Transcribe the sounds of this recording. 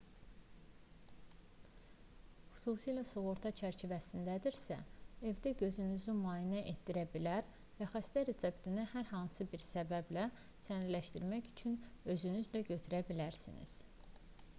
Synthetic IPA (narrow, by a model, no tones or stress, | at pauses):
xu̥susijlæsuɣo̞ɾt̪ʰɑt͡ʃʰæɾt͡ʃʰivæsind̪æd̪iɾsæ̰e̞vd̪æɟø̞zynyzymɑːinæʔe̞t̪̚d̪iɾæbilæɾ | væxæst̪æɾesebt̪ʰinihæɾhɑnsɯbiɾsæbæblæ | sæniɾlæʃt̪iɾmæçy̥t͡ʃʰynø̞zynyzlæɟø̞t̪ʰyɾæbilæɾsḭnḭz̥